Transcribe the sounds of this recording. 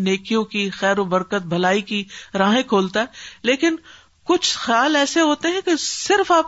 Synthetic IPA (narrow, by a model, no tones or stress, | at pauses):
neːkijõkixɛːɾobɐɾkət̪̚bʱɐlaːikiɾãːɦẽkʰoːlt̪aɦɛːleːkɪn | kʊt͡ʃʰxjaːlɛːseɦoːt̪eɦɛ̃kesɪɾfaːp